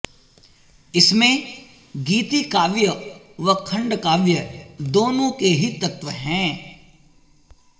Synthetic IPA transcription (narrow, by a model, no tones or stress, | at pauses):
ɪsmẽ | ɡiːt̪ikaːʋjə | ʋɐkʰɐ̃ɳɖkaːʋjəd̪oːnõkeɦit̪ɐt̪ʋəɦɛ̃ː